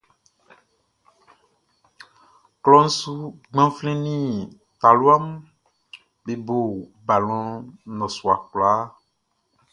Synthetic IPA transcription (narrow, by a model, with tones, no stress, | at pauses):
klɔ̃˦n̩˦su˦ɡ͡bã˦flɛ̃˦nĩ˦ | t̪a˨lu˦a˦m | be˨bo˨ | ba˨lɔ̃˨nɔ̃˨su˨a˨kla˦